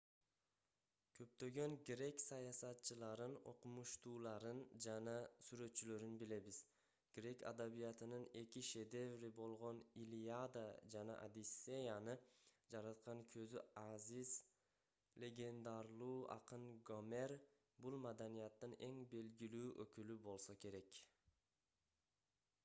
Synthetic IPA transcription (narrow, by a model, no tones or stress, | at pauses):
kʲʰø̞p̚t̪ø̞ɡø̞ŋɡɾe̞ksɑjɑsɑt̪t͡ʃɯlˠɑɾɯno̞̰qumuʃt̪ʰuːlˠɑɾɯnd͡ʒanɑsyɾø̞t̪t͡ʃʰːyløɾynbile̞bɪz̥ | ɡ̥ɾe̞kʰa̰d̪abijɑt̪ɯnɯne̞kʲiʃe̞d̪e̞vɾibo̞lˠʁonilʲiad̪ad͡ʒanɑ̰ʔa̰d̪isːe̞janɯd͡ʒɑɾɑt̪̚qɑŋkʰø̞zyaziz | lʲe̞ɡʲe̞nd̪ɑɾlˠuːʔɑ̰qɯnɡo̞me̞ɾ | bulˠmad̪anijat̪ːɯne̞ŋbe̞lɡʲilyːʔøkylybo̞lˠsokʲe̞ɾe̞k